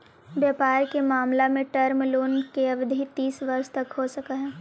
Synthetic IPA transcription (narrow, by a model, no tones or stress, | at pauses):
bjaːpaːɾkemaːmlamẽʈɐɾmloːnkeɐbd̪ʱit̪iːsʋɐɾʃt̪ɐkɦosɐkaɦɛː